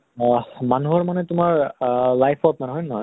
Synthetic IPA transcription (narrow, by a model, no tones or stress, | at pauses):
manuɦɔɹmanɛtʊmaɹlajpʰɔt̚manɛɦɔjnːɔ